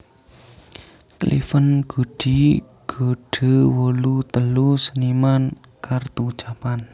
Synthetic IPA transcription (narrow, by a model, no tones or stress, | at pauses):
klʔḭfənɡ̥ṳɖ̥i | ɡ̥o̤ɖ̥ə̤wolut̪əlusəniman | kart̪u̥t͡ʃapan